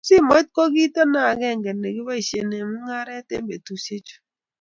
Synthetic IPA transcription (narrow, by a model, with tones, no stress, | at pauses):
sɪ˦˨mɔ˨˦t̚kɔ˦ɡi˦ta˦na˦˨ɡɛ˦˨ŋɡɛ˨nɛ˨ɡɪ˦ba˦i˨ʃe˨ne˨mʊ˦ŋa˦ɾɛ˦tḛ˦mbe˨tu˨se˦t͡ʃo̥˨˦